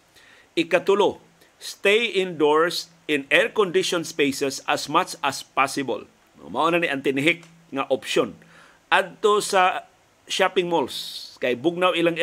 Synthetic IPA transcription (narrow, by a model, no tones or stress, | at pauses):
ʔɪkat̪ʊlo | st̪ejɪ̃nd̪ɔɹst | ɪ̃nɛɹkɔnd̪ɪʃɔnspejsɛsasmat͡ʃaspasɪbo̰l | m̰ŋ̰ma̰ʔonaniʔant̪ɪnɪɦɪk | ŋaʔɔpʃon | ʔad̪̚t̪osa | ʃapɪŋmolskajbʊɡ̚nawɪlaŋ